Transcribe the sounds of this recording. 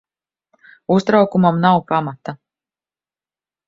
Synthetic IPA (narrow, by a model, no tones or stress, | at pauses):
ust̪ɾawkumamnawpamat̪a